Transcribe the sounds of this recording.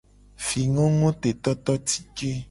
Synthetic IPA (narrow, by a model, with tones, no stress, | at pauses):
fi˨ŋɔ̃˦ŋõ˦t̪e˨t̪ɔ˦t̪ɔ˦t̪i̥˦ke˦